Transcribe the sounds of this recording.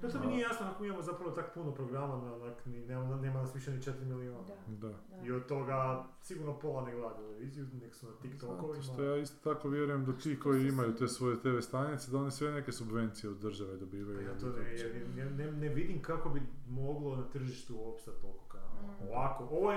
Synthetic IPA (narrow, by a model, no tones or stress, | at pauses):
et̪ominieijaːsnonakomiimamo̞zapɾaʋot̪akpunopɾoɡɾamanonaknineːmaneːmanasʋiʃenit͡ʃet̪ɾimilionad̪a | iod̪̚t̪o̞ɡa | siɡuɾnopo̞lˠaneɡlˠad̪at̪ele̞ʋiːzijuneɡsunat̪ikt̪okoʋiimaojaːist̪o̥t̪ako̞ʋjeɾujemd̪at̪iːko̞jiimajut̪eːsʋo̞jet̪eʋest̪anit̪sed̪ao̞nisʋeneke̞subʋe̞nt̪sijeod̪dːr̩ʒaʋed̪o̞biːʋajuat̪oejeɾeneneʋid̪imkako̞bimo̞ɡlˠo̞nat̪r̩ʒiʃt̪uoːpʃt̪at̪oɡokaoʋako̞ʔoʋo